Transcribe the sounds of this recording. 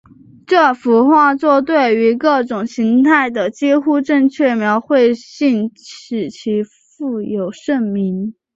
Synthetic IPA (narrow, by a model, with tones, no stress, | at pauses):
ʈ͡ʂɤ˥˩fu˧˥xwa˥˧t͡swɔ˥˧t̪we˥˩ɪy˧˥kɤ˥˩ʈ͡ʂʊ˨˩ŋɕi˧˥ŋt̪ʰa˥˩ɪd̪ə˩t͡ɕi˥xu˥ʈ͡ʂɤ˥˧ŋt͡ɕʰɥɛ˥˩mjɑ˧˥ʊxwe˥˧ɪɕi˥˩nɻ̩˨˩t͡ɕʰi˧˥ | fu˥˩jo˨˩ʊʂə˥˩nmi˧˥n